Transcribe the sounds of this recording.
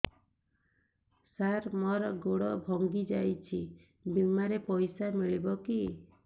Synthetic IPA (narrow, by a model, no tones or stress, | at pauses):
saɾmɔɾɡoɽɔbʱɔŋɡid͡ʒajt͡ʃʰi | bimaɾepɔjsamiɭibɔki